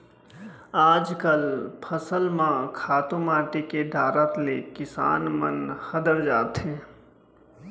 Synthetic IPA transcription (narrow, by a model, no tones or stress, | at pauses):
aːd͡ʒkəlpʰɐsəlmãkʰaːt̪ũmaːʈikeɖ̪ʱaːɾət̪lekɪsa̰ːnmənxəd̪əɾd͡ʒaːt̪ɦẽː